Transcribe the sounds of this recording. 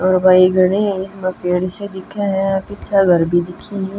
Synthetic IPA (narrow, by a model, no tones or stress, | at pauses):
ɔːɾbaːiɡɐɽ̃ẽɪsmɐkeːɽised̪ɪkʰeɦɛ̃pɪtʃʰaɡɐɾbʱid̪ɪkʰːiɦĩ